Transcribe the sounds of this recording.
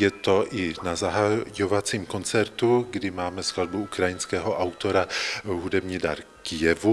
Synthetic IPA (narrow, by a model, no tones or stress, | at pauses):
jɛt̪o̞ʔɪnazaɦajovat͡siːmkont͡sɛɾt̪uɡdɪmaːmɛsklad̪buukɾajɪnskɛːɦoʔawt̪oɾaɦudɛbɲiːda̰ɾ | kɪjɛvu